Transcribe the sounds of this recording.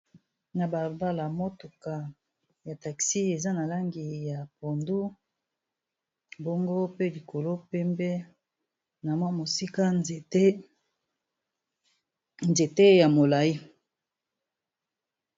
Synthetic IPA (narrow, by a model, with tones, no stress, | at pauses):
na˨ba˨ba˦la˨mo˦tu˨ka˨ | ja˨ta˨ksi˦e˨za˦na˨la˦ŋɡi˨ja˨po˨ndu˦ | bo˦ŋɡo˦pe˦li˨kʰo˨lo˦pɛ˦mbɛ˦ | na˨mwa˦mo˨si˦ka˦˨te˦ | nze˨te˦ja˨mo˨la˨i˦